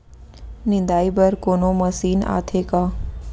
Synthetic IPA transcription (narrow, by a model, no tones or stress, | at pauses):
nɪ̃nd̪aːibɐɾkoːnõmɐsiːna̰ːt̪ʰeːkaː